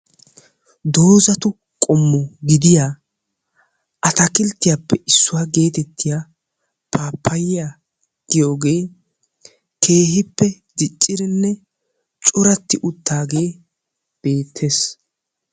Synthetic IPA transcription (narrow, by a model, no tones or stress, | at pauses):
d̪o̞ːzɐt̪ʊ | kʼɔmːɔɡɪd̪ɪjaː | ʔɐt̪ɐkɪlt̪ːɪjapːɛʔɪsːʊwaːɡe̞ːt̪ɛt̪ʰːɪja | pʰaːpʰːɐjɪja | ɡ̥ɪjo̞ːɡe̞ː | kʰe̞ːɦɪpːɛ | d̪ɪt͡ʃʼːɪɾɪnːɛ | t͡ʃʼʊɾɐt̪ːɪʔʊt̪ːaːɡe̞ː | b̥e̞ːt̪ʰːe̞ːs